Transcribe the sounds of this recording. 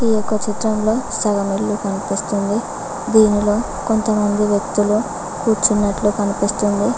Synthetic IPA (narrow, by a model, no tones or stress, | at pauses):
ijokːɐt͡ʃit̪ɾɐmlo̞ːsɐɡɐmiɭːukɐnipist̪und̪i | d̪iːnilo̞ː | ko̞nt̪ɐmɐnd̪iʋjɐk̚t̪ulu | kuːɾt͡ʃunːɐʈlukɐnipist̪und̪i